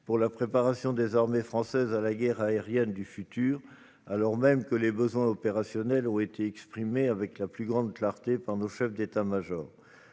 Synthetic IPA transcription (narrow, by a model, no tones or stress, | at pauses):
puʁlapχepaʁasjɔ̃d̪ezaʁmefχɑ̃sɛzalaɡɛʁaeʁjɛnd̪yfyt̪yːʁ | alɔʁmɛmkəlebəzwɛ̃ɔpeʁasjɔnɛlɔ̃et̪eɛkspχimeavɛklaplyɡʁɑ̃d̪klaʁt̪epaʁnoʃɛfd̪et̪amaʒɔːʁ